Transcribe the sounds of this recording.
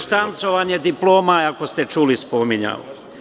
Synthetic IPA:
ʃt̪ant̪so̞ʋaɲe̞d̪iplo̞ːmaako̞st̪e̞t͡ʃuːlispo̞miɲa̰o̰

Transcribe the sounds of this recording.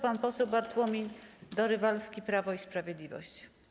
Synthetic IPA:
panpɔsɛwbaɾt̪wɔmʲiɲd̪ɔɾɘvalskʲipɾavɔispɾavʲjɛd̪lʲivɔ̰ɕt͡ɕ

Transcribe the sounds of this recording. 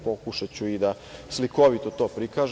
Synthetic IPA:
po̞kuʃat͡ɕuid̪a | sliko̞ʋit̪ot̪o̞ːpɾikaːʒ

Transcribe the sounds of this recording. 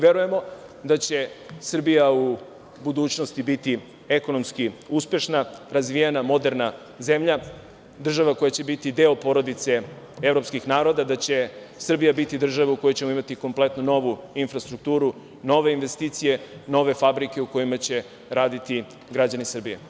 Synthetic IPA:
ʋe̞ɾuje̞mo̞d̪at͡ɕe̞sr̩bijau | bud̪uːt͡ɕnost̪ibit̪i | eko̞no̞mskiuspje̞ʃnaɾazʋijenamo̞d̪e̞ɾna | ze̞mʎa | d̪r̩ʒaʋako̞jat͡ɕe̞bit̪id̪e̞opo̞ɾo̞d̪it̪se̞ | e̞vɾo̞pskixnaːɾo̞d̪ad̪at͡ɕe̞ | sr̩bijabit̪id̪r̩ʒaʋeuko̞jot͡ɕe̞moimat̪iko̞mple̞t̪nuno̞ʋuinfɾast̪ɾuk̚t̪uːɾu | no̞ʋe̞inʋe̞st̪iːt̪sije̞no̞ʋe̞fabɾike̞uko̞jimat͡ɕe̞ | ɾaːd̪it̪i | ɡɾad͡ʑanisr̩bijḛ

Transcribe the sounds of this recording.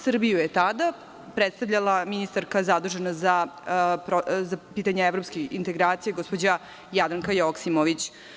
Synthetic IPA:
sr̩bijujet̪ad̪a | pɾet̪st̪avʎalˠaminist̪aɾkazad̪uʒenazapɾozapiːt̪aɲeevɾopskeint̪e̞ɡɾaːt̪sijeɡo̞spod͡ʑa | jad̪ɾaŋkajoksimoʋit͡ɕ

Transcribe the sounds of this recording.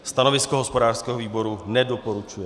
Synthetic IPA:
st̪anovɪskoɦospo̞daːr̥skɛːɦoviːbo̞ɾunɛdopoɾut͡ʃujɛ

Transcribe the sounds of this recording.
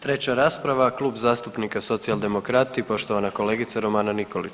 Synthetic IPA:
t̪ɾe̞t͡ɕaɾaːspɾaʋaklˠuːbzaːst̪upnikaso̞t̪sialˠd̪e̞mo̞kɾat̪ipo̞ʃt̪oʋanako̞le̞ːɡit̪saɾo̞maːnaniko̞lit͡ʃ

